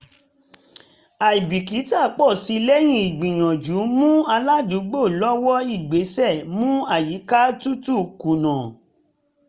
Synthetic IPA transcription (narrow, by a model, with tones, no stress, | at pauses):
a˨i˨bi˨ki˨˦ta˦˨˦k͡pɔ˦˨si˧lɛ˦j̃ĩ˦i˨ɡ͡bĩ˨j̃ɔ̃˨d͡ʒu˨˦mũ˦a˧la˦du˨˦ɡ͡bo˦˨lɔ˦wɔ˦i˦˨ɡ͡be˨˦sɛ˦˨mũ˦a˦˨ji˨˦ka˦tu˦tu˦˨kũ˨nã˨